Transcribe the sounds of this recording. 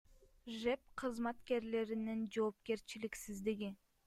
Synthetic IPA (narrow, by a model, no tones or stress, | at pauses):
ʒe̞p̚qʰɨzmat̪ke̞ɾle̞ɾinind͡ʒo̞ːp̚ke̞ɾt͡ʃiliksizd̪iɡʲi